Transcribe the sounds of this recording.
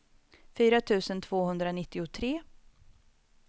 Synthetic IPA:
fyːɾat̪ʰʉ̟ːsənt̪ʰv̥oːhɵnd̪ɾanɪt̪ːɪʊt̪ʰɾeː

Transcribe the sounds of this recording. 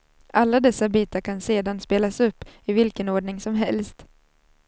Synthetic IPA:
ʔalːad̪ɛsːabiːt̪aɾkʰanseːd̪anspeːlasɵpːɪvɪlkənoːɖɳɪŋsɔmɦɛlst̪

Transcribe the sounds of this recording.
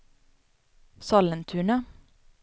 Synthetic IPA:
sɑlənt̪ʰʉːɳə

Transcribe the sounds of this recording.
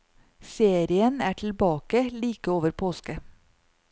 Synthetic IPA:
seːɾɪənæːʈʰɪl̩bɑːkəliːkəoːʋəɾpʰoːskə

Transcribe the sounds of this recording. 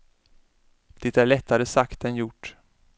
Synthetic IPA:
d̪̥ɪt̪æɭɛt̪ʰːaɾəsakt̪ɛnjʊʈː

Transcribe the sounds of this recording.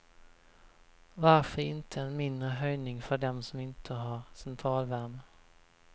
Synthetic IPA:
vaɾfœɾɪnt̪ʰəɛnmɪnd̪ɾəɦœjnɪŋfœɖɛmsɔmɪnt̪ʰəɦaɾsɛnt̪ʰɾɑːlvæɾmə

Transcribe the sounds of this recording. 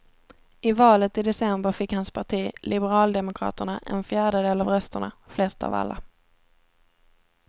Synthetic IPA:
ɪvɑːlət̪ɪd̪ɛsɛmbəɾfɪkhanspʰaʈʰiːlʔɪbəɾɑːld̪ɛmʊkʰɾɑ̰ːt̪əɳaʔɛ̰nfjæːɖəd̪eːlavɾœst̪əɳa̰flɛst̪a̰va̰lːa̰

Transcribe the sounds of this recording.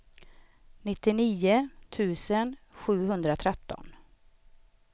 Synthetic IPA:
nɪt̪ːɪniːʊt̪ʰʉ̟ːsənɧʉ̟ːɦɵnd̪ɾat̪ʰɾɛt̪ːɔ̰n

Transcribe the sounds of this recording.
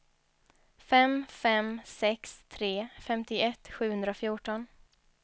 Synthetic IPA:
fɛmfɛmsɛkst̪ʰɾeːfɛmt̪ɪɛt̪ːɧʉ̟ːhɵnd̪ɾaɔfjuːʈɔn

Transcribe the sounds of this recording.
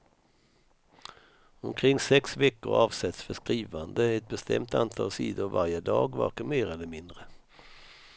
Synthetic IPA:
ɔmkʰɾɪŋːsɛksvɛkːʊ̰ɾɑːvsɛt̪sfœʂkɾiːvand̪əɛt̪̚bɛst̪ʰɛ̰mt̪a̰nt̪ʰɑ̰ːlsḭːd̪ʊɾva̰ɾjəd̪ɑːɡvæ̰ɾkəmeːɾɛlːəɾmɪnd̪ɾə

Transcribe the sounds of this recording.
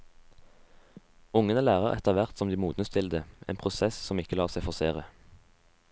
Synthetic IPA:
ʊŋənəlæːʁəʁɛt̪əʁʋæʁt̪sɔmd̪iːmuːd̪nəst̪ʰɪld̪əʔḛːnpʰʁʊsɛssɔmɪkəlɑːʁsæɪfɔseːʁə

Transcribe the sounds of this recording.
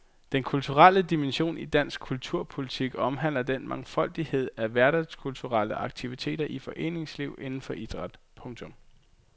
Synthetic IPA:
d̥enkʰult͡sʰuʁal̰əd̥imenɕo̝̰ːnid̥æn̰sɡ̥kʰult͡sʰuɐ̰pʰo̝lit͡sʰiɡ̥ɒ̽mɦæn̰lɐd̥enmɑ̈ŋfɒ̽l̰d̥ihe̝ð̞̰ˠæʋæɐɾ̥æskʰult͡sʰuʁaləʔɑ̈ɡ̥̚t͡sʰiʋit͡sʰe̝̰ːd̥ɐʔifɒ̽ʔe̝̰ːne̝ŋsliʊ̰e̝nn̩fɒ̽ʔid̥ʁɑd̥pʰɔ̽ŋt͡sʰɔ̽m

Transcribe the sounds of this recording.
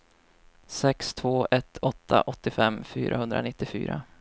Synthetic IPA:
sɛkst̪ʰvoːʔɛt̪ʰɔt̪ʰːa̰ʔɔt̪ːɪfɛmːfyːɾaɦɵnd̪ɾa̰nɪt̪ːɪfy̰ːɾa

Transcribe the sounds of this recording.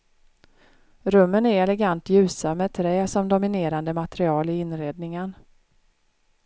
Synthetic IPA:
ɾɵmːənæɾɛlɛɡant̪jʉ̟ːsamɛt̪ʰɾɛːsɔmd̪ʊmɪneːɾand̪əmat̪ɛɾɪɑːlɪɪnɾeːd̪nɪŋən

